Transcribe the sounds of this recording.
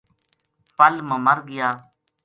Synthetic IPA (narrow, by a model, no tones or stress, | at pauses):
pəlmə̃ːməɾɡɪjaː